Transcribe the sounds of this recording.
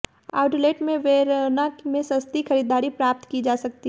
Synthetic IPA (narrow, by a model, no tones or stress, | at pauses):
a̰ːʊʈleːʈmẽʋeːɾnakmẽsɐst̪ixɐɾiːd̪aːɾipɾaːp̚t̪kid͡ʒaːsɐk̚t̪i